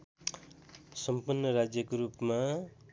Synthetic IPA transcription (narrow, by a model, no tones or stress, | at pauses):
sʌmpurnːʌɾad͡zjʌkoɾupma